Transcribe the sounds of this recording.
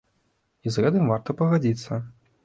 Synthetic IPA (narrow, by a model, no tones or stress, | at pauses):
izɣɛt̪ɨmvart̪ɐpɐɣad͡zʲit̪sːɐ